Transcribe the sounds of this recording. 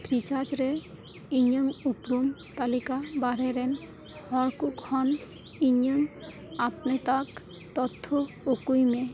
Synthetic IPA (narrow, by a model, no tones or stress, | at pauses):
pɾit͡ʃad͡ʒɾe | iɲəŋupɾumt̪alikabaɾeɾen | hɔɾkukhɔn | iɲːəŋ | apnet̪ak | t̪ɔt̪ʰːo | okujme